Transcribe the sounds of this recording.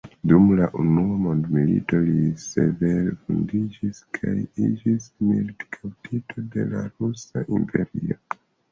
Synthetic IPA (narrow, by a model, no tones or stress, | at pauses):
dumlaʔunuamo̞ndmilḭto̞lise̞veɾefundid͡ʒiskʰajid͡ʒismildkʰawtʰitʰo̞de̞laɾusaʔimpʰeɾio